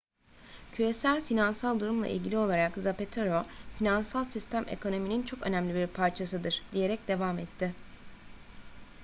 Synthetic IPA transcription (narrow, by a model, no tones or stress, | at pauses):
cʰyje̞sælʲfinansalˠd̪uɾumlˠa̰ʔḭlʲɟilʲio̞lˠaɾakzape̞t̪ʰoɾofinansalˠsist̪ʰæmʔḛkʰo̞no̞minint͡ʃʰo̞kø̞̰næmlʲibiɾpʰaɾt͡ʃʰasɯd̪ɯɾ̥d̪̥ije̞ɾɛc̚d̪e̞vamɛt̪ʰːɪ